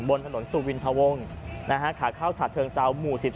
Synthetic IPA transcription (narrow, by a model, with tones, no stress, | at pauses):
bo˧nt̪ʰa˧no˩˦nsu˨˧˩wi˧nt̪ʰa˧wo˧ŋ | na˦˥kʰa˦˥kʰaː˩˦kʰaː˥˩wt͡ɕʰa˨˩t̪̚ʰɤː˧ŋsa˧wmuː˨˩si˨˩p̚